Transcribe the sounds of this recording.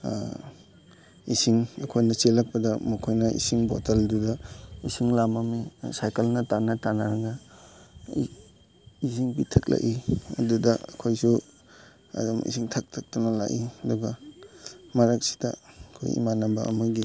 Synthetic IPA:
isiŋɐkʰojnɐselɐk̚pɐdɐmukʰojnɐḭsiŋbɔtaldudɐisiŋlamamisajkelnɐtanatanaɾaɡa | is̬iŋpitʰɐk̚la̰ʔiɐ̰dudɐɐ̰kʰojsu | a̰damḭsiŋtʰak̚tʰak̚tunɐla̰ʔiɐduɡɐ | maɾak̚si̥dɐ̰ɐkʰo̰jḭmanabɐ̰ɐ̰muɡi

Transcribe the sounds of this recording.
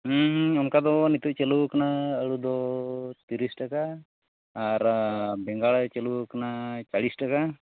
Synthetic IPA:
ɦəɦɔmkad̪ɔnit̪uʔt͡ʃɛlukanaəɽud̪ɔt̪iɾisʈakaː | ɾbɛŋɡaɭt͡ʃelukanat͡ʃaɽisʈaka

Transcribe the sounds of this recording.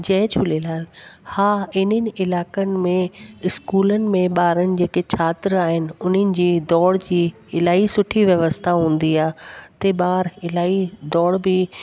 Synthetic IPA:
d͡ʑɐ̃ɦd͡ʑbɪlelaːlhaːɪnənɪ̆ɪlaːkənɪ̆mẽɪskuːlənɪ̆mẽɓaːɾənɪ̆d͡ʑeːket͡ɕʰaːt̪ɪɾaːɦɪnɪ̆ʊn̤ənɪ̆d͡ʑiːd̪ɔːɽd͡ʑiː | ɪlaːisʊʈʰiʋjɐʋəst̪ʰaɦũːn̆d̪iaːɦt̪eɓaːɾɪlaːid̪ɔːɽbɪ

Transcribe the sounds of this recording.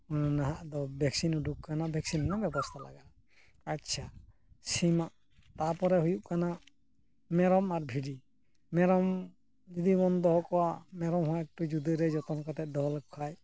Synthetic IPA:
unnaɦaʔd̪ɔbɛksinuɖukkanabʱɛksinnabɛbɔst̪ʰala̰ɡa | atːt͡ʃʰa | simaʔ | t̪apɔɾɛɦujuʔkana | mɛɾɔmaɾbʱiɖi | mɛɾɔm | d͡ʒɔd̪ibɔnd̪ɔɦɔkɔwamɛɾɔmɦɔaɛk̚ʈud͡ʒud̪ɔɾɛd͡ʒɔt̪ɔnkat̪ɛt̪̚d̪ɔlkʰaj

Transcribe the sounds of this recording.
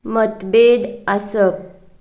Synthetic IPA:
mət̪bed̪asəp̚

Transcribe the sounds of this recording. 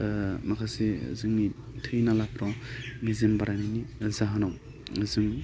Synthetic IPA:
makʰasḛzɯŋni | tʰɯjnalapɾɔŋizembaɾajninizaɦanaw | ŋɯzɯŋ

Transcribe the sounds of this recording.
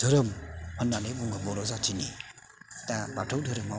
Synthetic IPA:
tʰəɾəmpʰənːanebuŋɡəbɔɾɔzatʰini | tabatʰowtʰəɾəma

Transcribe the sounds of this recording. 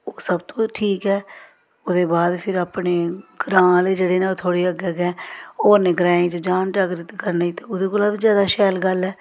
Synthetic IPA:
oːsəbt̪õːʈʰiːkɛː | ʊd̪eːbaːd̪pʰɪɾaːpneːɡɾãːleːd͡ʒeːɽeːnaːoːt̪ʰoːɽeːəɡəɡɛ̃ːoːneɡɾaːẽːt͡ʃd͡ʒaːnʈaːɡɾɪt̪kəɾnaːiːt̪eːʊd̪eːkoːlaːbiːzjaːd̪aːʃɛːlɡəlɛː

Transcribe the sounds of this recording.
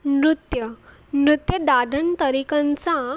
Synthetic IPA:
mɾut̪jə | mɾut̪jəɖ̪ad̪ʱənt̪əɾikãnt͡sa

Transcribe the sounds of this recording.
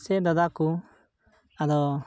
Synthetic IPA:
sɛd̪ad̪aku | ad̪ɔ

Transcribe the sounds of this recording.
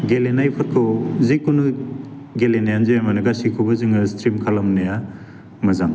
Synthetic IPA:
ɡelenajpʰɐkʰɯwzikunɯ | ɡelenajanzɯjamanɯɡasikʰɔbɐzɯŋɐstɾimkʰalɐmneja | mɐzaŋ

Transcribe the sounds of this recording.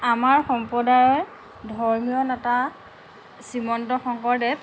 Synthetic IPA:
amaɹxɔmpɹɔdajɔɹ | dʱɔɹmijɔnata | simɔntɔxɔŋkɔɹdɛ

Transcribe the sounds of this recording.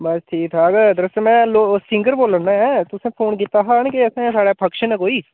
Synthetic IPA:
bɐsʈ̪ʰiːk̚t̪ʰaːɡd̪ɾəst̪mɛ̃loːsɪ̃ŋɡəɾboːlənːɛɦɛ̃t̪ʊsẽpʰoːnk̬it̪aɦankeɛsẽɛ̃saːɽapʰɐkʃənɛ̃koːiː

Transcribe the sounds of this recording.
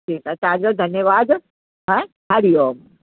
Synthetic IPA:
ʈʰiːkɛ̃t̪ɦãd͡ʑod̪ʱɐnjəʋaːd̪ | ɦɛ̃ | ɦaɽijom

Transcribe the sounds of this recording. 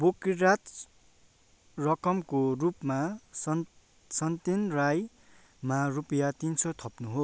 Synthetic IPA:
bokiɾat̪ | rʌkʌmkorupmas | sʌnt̪inraj | marupʌjat̪insʰʌt̪ʰʌpnuɦo

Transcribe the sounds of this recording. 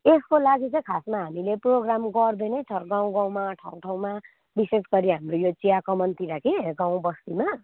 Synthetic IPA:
eskolaɡit͡sʌĩkʰasmaɦamileproɡramɡʌrd̪ʌjnʌjt͡sʰʌrɡaw̃ɡaw̃maʈʰaw̃ʈʰaw̃ma | bisesɡʌɾiɦamrojot͡siakʌmʌnt̪iɾakeɡaw̃bʌst̪ima

